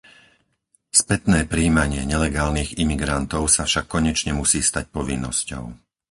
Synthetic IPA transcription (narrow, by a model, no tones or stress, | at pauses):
spɛt̪nɛːpɾiːmaɲɪɛɲɛlɛɡaːlniːɣimiɡɾant̪ɔʊsafʃakːɔɲɛt͡ʃɲɛmusiːst̪ac̚pɔʋinːɔ̰scɔ̰ʊ